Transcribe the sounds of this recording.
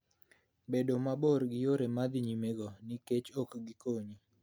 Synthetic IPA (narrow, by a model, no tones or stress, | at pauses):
bedomaboɾɡɪjoɾemad̪ɪɲimeɡɔnɪket͡ʃokɡikoɲi